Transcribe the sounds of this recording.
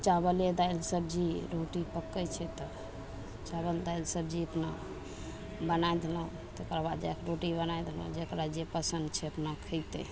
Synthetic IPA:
t͡ʃaβəled̪ajlsəbd͡ʒiɾoʈipəkːət͡ʃʰɛt̪ɔ | t͡ʃaβəld̪ajlsəbd͡ʒiəpna | bənajd̪elã | t̪kɾabad̪d͡ʒakʰɾoʈibənajd̪elə̰̃d͡ʒekɾad͡ʒepəsənd̪t͡ʃʰɛəpnakʰəjt̪ɛ̰

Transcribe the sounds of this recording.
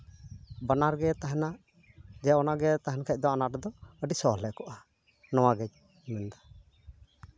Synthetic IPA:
banaɾɡɛt̪aɦɛnaʔ | d͡ʒɛɔnaɡɛt̪aɦɛnkʰɛc̚ˀd̪ɔanaɾɛd̪ɔəɖisɔlɛʔkɔʔa | nɔwaɡɛc̚ | mɛnd̪a

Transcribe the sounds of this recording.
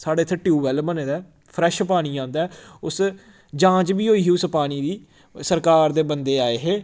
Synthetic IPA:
saːɽeːt̪ʰːʈiuːʋɛlbəneːd̪aː | pʰɾɛːʃpaːɽ̃iːãːnd̪aːɛʊs | d͡ʒãːt͡ʃbiːɦoːiːɦiːʊspaːɽ̃iːd̪iː | səɾkaːɾd̪eːbənd̪eːaːeːɦeː

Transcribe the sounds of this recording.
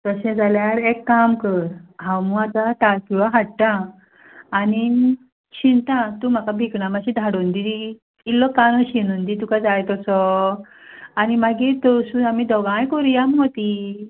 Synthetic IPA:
t̪əsɛ̃d͡zaljaɾekːamkəɾɦãwmuat̪at̪aɾkiʋaɦaʈʈãː | ni | ɕint̪ãt̪um̤akabʱikɳamaɕĩd̪ʱaɽund̪ii | ilːɔkanɔɕinund̪it̪ukad͡zajt̪ɔsɔ | animaɡit̪ɔsuamid̪ɔɡãjkɔɾijamɦot̪i

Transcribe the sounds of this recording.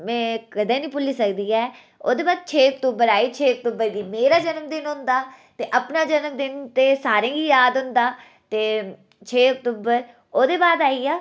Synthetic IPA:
mɛ̃ːkəd̪ẽːnĩːpʊliːsəkd̪iːɛː | oːd̪eːbaːd̪̚t͡ʃʰeːək̚t̪uːbəɾaːiːt͡ʃʰeːək̚t̪uːbəɾɡiːmeːɾaːd͡ʒənəmd̪ɪnɦʊ̃nd̪aː | t̪eːʔəpnaːd͡ʒənəmd̪ɪnt̪eːsaːɾẽːɡiːjaːd̪ɦʊnd̪aː | t̪eː | t͡ʃʰeːək̚t̪uːbəɾ | oːd̪eːbaːd̪aːiːaː

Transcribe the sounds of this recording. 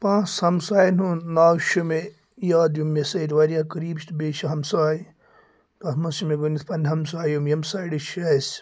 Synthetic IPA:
pãːshɐmsaːjnunnaːwʃume | jaːd̪jumːesɐiɾʋɐɾijaːkɐɾiːbʃt̪beːʃɐɦɐmsaːj | t̪ɐɦmɐsumeɡonit̪pɐnɐmsaːjumjɐmsaːiɽiʃɐs

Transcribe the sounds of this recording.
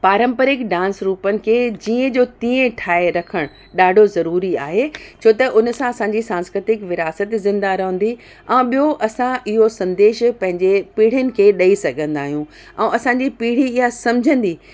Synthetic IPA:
paːɾə̃mpəɾɪkɖãːnsɾuːpənɪ̆kʰeːd͡ʑiːə̃d͡ʑoːt̪ĩːə̃ʈʰaːeɾɐkʰəɽ̃ | ɗaːɖʱozɐɾuːɾiaːɦet͡ɕʰoːt̪ɐʔʊnə̆sãɐsãːɲd͡ʑisãːnskɾɪt̪ɪkʋɪɾaːsət̪zɪ̃nd̪aɾɐɦə̃n̆d̪i | ɛ̃ːɓiɦoʔɐsãʔɪɦosɐ̃nd̪eːʃpɐ̃ɦɪ̃ɲd͡ʑepiːɽ̤jənɪ̆kʰeːɗɐisɐɡʱə̃nd̪aːɦijũ | ɛ̃ɐsãɲd͡ʑipiːɽ̤iɪɦasɐ̃md͡ʑʱə̃nd̪iː

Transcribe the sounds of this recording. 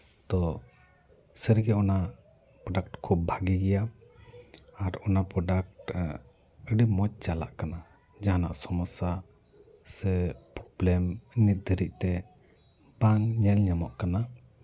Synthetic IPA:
d̪̥ɔ | səɾɡɛɔna | pɾɔɖak̚ʈkʰub̚bʱaɡiɡɛja | ɾɔnapɾɔɖak̚ʈ | əɖimɔt͡ʃ̚t͡ʃala̰ʔkana | d͡ʒaɦana̰ʔsɔmɔsa | səpɾɔblɛmnit̪̚d̪ʱəɾiʔ̚t̪ɛ | baŋɲɛlɲamɔʔkana

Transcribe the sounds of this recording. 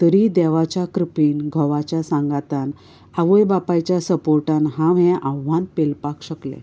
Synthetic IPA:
t̪əɾid̪ɛʋat͡ɕjakɾəpiːnɡʱɔʋat͡ɕasãŋɡat̪an | aʋəjbapajt͡ɕjasəpoɾʈanɦãʋɛ̃ʔãʋːãnpelpakɕəklḛ̃

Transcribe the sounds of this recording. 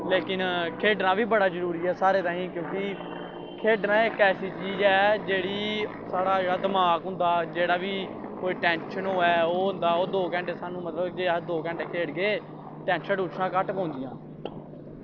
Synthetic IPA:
leːkɪnkʰeːɖnãːʋiːbəɽaːzəɾuːɾiːɛːsaːɾeːt̪ãːɦĩːkjõːki | kʰeːɖnãːeːkɛːsiːt͡ʃiːd͡ʒɛːd͡ʒeːɽiː | saːɽaːd͡ʒeːɽaːd̪əmaːkɦʊ̃nd̪aːd͡ʒeːɽaːʋiːkoːiːʈɛ̃ːnʃənɦoːɛːoːɦʊ̃nd̪aːoːd̪oːkɛ̃ːɳʈeːsaːnũːmət̪ləbd͡ʒeːd̪oːkɛ̃ɳʈeːkʰeːɖɡeː | ʈɛ̃ːnʃənʊt͡ʃʰnãːkəʈpɔ̃ːʊ̃nd̪ɪjãː

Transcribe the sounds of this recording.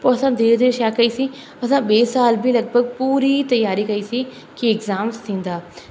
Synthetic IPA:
poːɐsãd̪eːɾd͡ʑeʃaːkɐisĩ | ɐsãɓeːsaːlbʱɪlɐɡbʱəɡ̚puːɾit̪ɐjaːɾikɐisĩ | kiɪɡzaːmst̪ʰĩːn̆d̪aː

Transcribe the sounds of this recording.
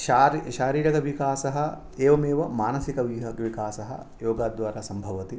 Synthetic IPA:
ʃaɾʃaːɾiːɾɐɡɐʋikaːsɐɦɐ | eːʋɐmeːʋɐmaːnɐsikɐʋiɦɐkʋikaːsɐɦɐ̰ | joːɡaːd̪ʋaːɾasɐmbʱɐʋɐt̪i

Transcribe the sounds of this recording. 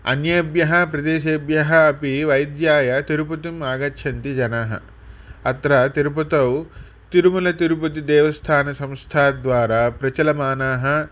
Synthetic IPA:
ɐ̰njɐbjɐɦɐpɾɐd̪eːʃebjɐɦɐːpiʋɐjd̪jaːjɐt̪iɾupɐt̪imaːɡɐtːʃʰɐnt̪id͡ʒɐnaːɦɐ̰ | ɐt̪ɾɐt̪iɾupɐt̪ɐw | t̪iɾumulɐt̪iɾup̬ɐt̪̬id̪ɛːʋɐst̪ʰaːnɐsɐ̃mst̪ʰaːd̪ʋaːɾaːpɾɐt͡ʃɐlɐmaːnaːɦɐ̆

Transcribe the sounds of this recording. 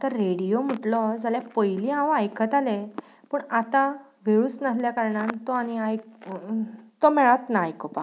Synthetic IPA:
t̪əɾːeɽijom̤əʈlɔd͡zaljapəjliɦãwajkʰət̪ale | pəːɳat̪a | ʋʱeɭuːt͡snaɦljakaɾɳant̪oañiajk | t̪omɛɭat̪najkopa

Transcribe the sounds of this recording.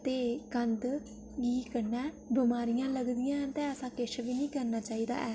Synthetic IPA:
t̪eːkənd̪ | ɡiːkənɛː | bɪmaːɾɪjãːləɡd̪ɪjãːt̪ɛ̃ːɛːsãːkɪʃʋiːnĩːkəɾnaːt͡ʃaːiːd̪a̰ːʔɛː

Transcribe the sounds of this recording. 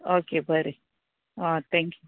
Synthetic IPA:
oːkebʱəɾi | at̪ʰɛ̃ːŋkju

